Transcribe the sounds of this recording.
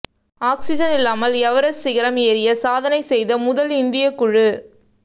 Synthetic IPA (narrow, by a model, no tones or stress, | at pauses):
aːksɪd͡ʒɐnɪlːaːmɐlɛʋɐɾɐsːɪɣɐɾɐmeːɾɪjɐsaːðɐnɐɪsɛjðɐmʊðɐlɪnd̪ɪjɐkʊɻɯ